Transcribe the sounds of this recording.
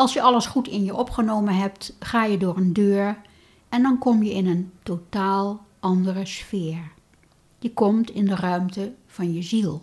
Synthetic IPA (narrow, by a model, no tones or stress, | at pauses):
ɑlˠsjəʔɑləsχutɪnjəʔɔpχənowmənɦɛp̚tχaːjədʊːrəndøːɹ | ɛndɑnkɔmjəɪnəntotaːlˠ | ʔɑndərəsfɪːɹ | d̥ikɔmtɪndərœɥmtə | v̥ɑnjəzilˠ